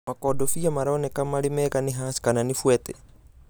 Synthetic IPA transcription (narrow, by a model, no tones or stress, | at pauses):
makɔdɔfijamaɾɔːnɛkamalimɛkaniɦasi̥kananifuɛt̪ɛ